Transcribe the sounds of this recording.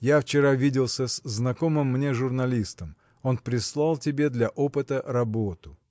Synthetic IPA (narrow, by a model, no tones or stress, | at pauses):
jaft͡ɕɪɾavʲidʲɪlˠsʲəsznɐko̞mɨmːnʲeʐʊrnɐlʲist̪əm | o̞npɾʲɪslˠalˠtʲɪbʲe̞d̪lʲɐʔo̞pɨt̪əɾɐbot̪ʊ